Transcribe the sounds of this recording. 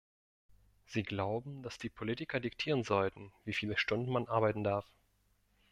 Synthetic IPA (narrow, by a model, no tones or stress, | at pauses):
z̥iːɡlaʊbm̩d̥asd̥iːpʰolitɪkʰɐdɪktʰiːʁ̞ənzɔltn̩viːfiːləʃtʊndn̩manʔaɐbaɪtn̩daɐf